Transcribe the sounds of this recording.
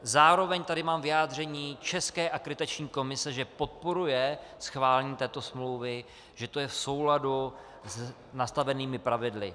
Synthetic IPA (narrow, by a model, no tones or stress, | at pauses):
zaːɾo̞vɛɲt̪adɪmaːmvɪjaːd̪r̝ɛɲiːt͡ʃɛskɛːʔakɾɪt̪at͡ʃɲiːko̞mɪsɛʒɛpo̞t̪̚po̞ɾujɛsxvaːlɛɲiːt̪ɛːt̪o̞smlowvɪ | ʒ̥ɛt̪o̞jɛfso̞wladu | z | nast̪avɛniːmɪpɾavɪdlɪ̰